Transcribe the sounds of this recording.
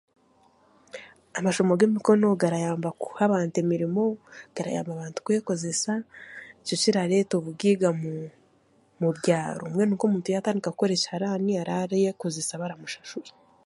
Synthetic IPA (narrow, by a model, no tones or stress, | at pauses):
amaʃomoɡemiko̞no̞ɡaɾajaːmbakuhaβaːntemiɾimo̞ɡ̥aɾa̰ja̰ːmbaβaːntu̥kujeko̞ze̞saico̞ciɾaɾe̞toβubɡiːɡamu | muβɟaːɾo̰umŋe̞nuːkomuːntujataːndikaku̥ko̞ɾe̞ːʃahaɾaniaɾaɾajekozesaβaɾamuʃḁʃuɾi̥